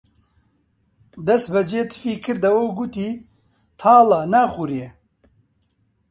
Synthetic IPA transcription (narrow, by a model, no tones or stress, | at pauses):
d̪ɐsbɐd͡ʒeːt̪ʰɨ̥fiːkʰɨɾd̪ɐwowɡut̪iː | t̪ʰaːlɐnaːxuɾije